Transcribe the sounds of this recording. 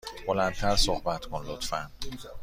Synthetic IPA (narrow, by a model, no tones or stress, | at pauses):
b̥olænt̪ʰæɾsohbæt̪kʰonlot̪fæn